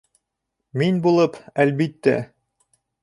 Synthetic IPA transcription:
minbulˠɤpælbit̪ːæ̰

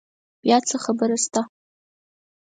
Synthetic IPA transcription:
bjat͡sʰaχabɨɾastʰʼa

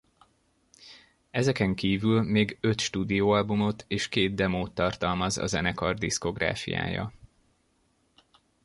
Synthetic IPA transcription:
ɛzɛkɛŋkiːvylmeːɡø̞t̪ʃt̪uːd̪ijoːɒlbumo̞t̪ʰeːʃkeːd̪̚d̪ɛmoːt̪ːɒrt̪ɒlmɒzɒ̰zɛnɛkɒrd̪isko̞ɡra̰ːfḭja̰ːjɒ̰

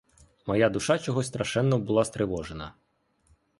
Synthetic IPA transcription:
mɔjad̪ʊʃɑt͡ʃɔɦɔsʲst̪ɾɐʃɛnːɔbʊlˠɑst̪ɾɪʋɔʒenɐ

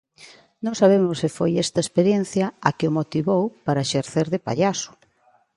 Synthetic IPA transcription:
nõŋsaβ̞emʊsɪfojɛst̪ɐespeɾjen̟θjɐakɪomot̪iβowpaɾɐeʃeɾθeɾðepa̰ʎasʊ̥

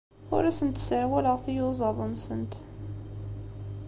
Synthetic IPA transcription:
ʊ̰ɾæsənt̪səʕwæləʁfijʊzˤɑðˤənsənt̪

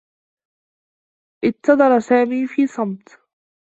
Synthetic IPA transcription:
ʔɪt̪ɑd̪ˤɑɾˤsaːmiːfiːsˤɑmt̪

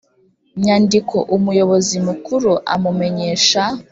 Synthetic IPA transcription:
ɲandikʰo̞̰ʔumujo̞βo̞zimukuɾuʔa̰mume̞ɲe̞ːʃa

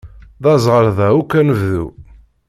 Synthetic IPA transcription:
ðɑzˤʁəɾðæukːænəvðṵ

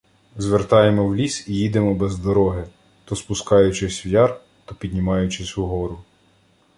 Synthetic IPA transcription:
zʋert̪ɑjemɔwlʲisijid̪emɔbɛzd̪ɔɾɔɦɪ | t̪ɔspʊskɑjʊt͡ʃɪsʲʋjɑr | t̪ɔpʲid̪ʲnʲimɑjʊt͡ʃɪsʲʊɦɔɾʊ

